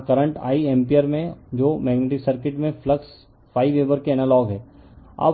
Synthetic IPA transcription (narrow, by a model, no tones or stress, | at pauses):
kɐɾə̃ɳʈa̰ːiɛ̃mpijəɾmẽd͡ʒoːmɛːɡneːʈɪksɐɾkɪʈmẽfləks | fʰaːiʋeːʋəɾkeɛnəlɔːɡɦɛːɐ̰b